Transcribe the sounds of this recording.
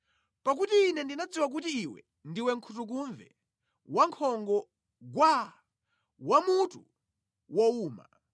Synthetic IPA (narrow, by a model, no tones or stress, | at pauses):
pak̬utiːnɛndinad͡ziwak̬ut̬iːwɛ̰ | ndiwɛŋ̩kʰutuk̬uɱvɛ̰ | waŋkʰɔŋɡɔ | ɡwa | wamutu | wɔuːma̰